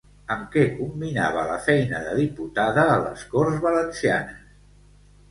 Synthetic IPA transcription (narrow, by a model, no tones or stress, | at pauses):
əmkɛkumbina̰β̞ələfɛjnəðəðiput̪aðəːlə̰skorzβələnsianəs